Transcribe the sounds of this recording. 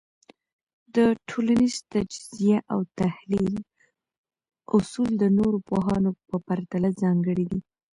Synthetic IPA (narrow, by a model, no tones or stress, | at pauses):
d̪əʈʰolanizt̪ad͡ʒz̥ijaʔawt̪ahlil | ʊsuld̪ənoɾopoɦɑnopəpaɾt̪alazɑŋɡəɽid̪i